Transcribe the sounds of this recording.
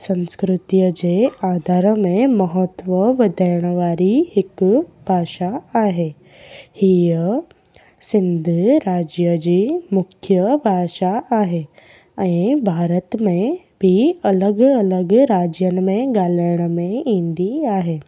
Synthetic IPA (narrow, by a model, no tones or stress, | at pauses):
sɐ̃nskɾʊt̪ijəd͡ʑeaːd̪ʱaːɾəmẽmɐɦət̪ʋəʋɐd̪ʱəjɽ̃ʋaːɾihɪkb̥ʱaːʃaaːɦeː | hijə | sɪ̃nd̪ʱɾaːd͡ʑjəd͡ʑiːmʊkʰjəbʱaːʃaaːɦe | ɛ̃ːbʱaːɾət̪mẽ | bʱiɐləɡɐləɡɾaːd͡ʑjən̆mẽɡaːləjɽ̃əmẽĩːnd̪iaːɦeː